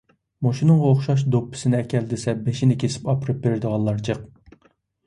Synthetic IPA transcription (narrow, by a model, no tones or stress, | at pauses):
moʃinɨŋʁɑoχʃɑʃ̬d̪opːɪ̥sɪnɪɛkʲʰɛld̪ɪsɛbeʃinɪkʲʰesɪ̥pɑpɨɾɨp̚beɾɪd̪əʁɑnlˠɑɾd͡ʒɨq̚